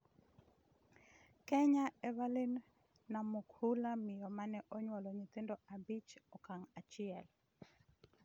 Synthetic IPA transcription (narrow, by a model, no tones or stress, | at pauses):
kɛɲaɛvalɪnː | amʊkhulamɪjɔmanɛʔɔɲwɔlɔɲɪt̪ɪndɔabit͡ʃɔkaŋat͡ʃɪɛl